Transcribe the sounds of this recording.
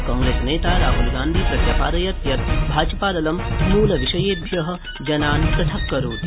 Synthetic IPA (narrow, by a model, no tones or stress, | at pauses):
kɔːŋɡɾeːsneːt̪aːɾaːɦulɡãːnd̪ʱiːpɾɐk̪jɐpaːɾɐjɐt̪jɐt̪̚bʱaːd͡ʒɐpaːɾɐlɐmnuːlɐʋiʃɐjeːbʱjɐɦɐ̆ | d͡ʒɐnaːnpɾɐt̪ʰɐkkːɐɾuːt̪